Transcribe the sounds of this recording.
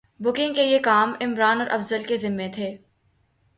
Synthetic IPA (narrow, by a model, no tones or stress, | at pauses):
bʊkɪ̃ŋɡ̚kejekaːmɪmɾaːnɔːɾʔɐfzəlkezɪmːẽt̪ʰeː